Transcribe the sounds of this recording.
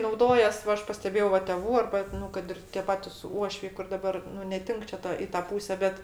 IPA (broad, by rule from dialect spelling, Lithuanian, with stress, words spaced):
nɐʊˈdoːjɛs ˈʋɐ ˈɐʃ pɐsʲtʲɛˈbʲeːjɛʊ ˈʋɐ tʲɛˈʋuː ˈɐrbɐ ˈnʊ kɐt ɪr tʲeː ˈpɑːtʲɪs ˈuɔʃʲʋʲɛɪ kʊr dɐˈbɐr ˈnʊ nʲɛˈtʲɪŋk t͡ʃʲɛ ˈtɐ ɪ ˈtɑː ˈpuːsʲɛ ˈbʲɛt